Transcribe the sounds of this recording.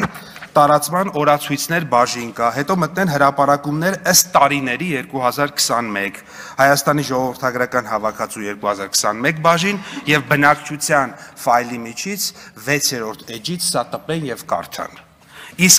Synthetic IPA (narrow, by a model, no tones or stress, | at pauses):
t̪ɑɾɑt͡smɑnɔɾɑt͡sʰujt͡sʰnɛɾbɑʒinkɑɦɛt̪ɔmət̪̚nɛnɦəɾɑpɑɾɑkumnɛɾəst̪ːɑɾinɛɾijɛɾkuɦɑzɑɾkʰə̥sɑnmɛk | hɑjɑst̪ɑniʒɔʁɔvəɾt̪ʰɑɡɾɑkɑn̪ɦɑvɑkʰɑt͡sujɛɾkuhɑzɑɾkʰə̥sɑnmɛk̚bɑʒinjɛvbənɑkt͡ʃʰut͡sʰjɑnfɑjlimit͡ʃʰit͡sʰvɛt͡sʰjɛɾɔɾt̪ʰɛd͡ʒit͡sʰsɑt̪əpɛnjɛvkɑ̰ɾt̪ʰɑ̰n | isk